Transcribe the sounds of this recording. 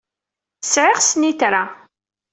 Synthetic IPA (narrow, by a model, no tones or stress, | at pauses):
sʕɪʁsniθɾa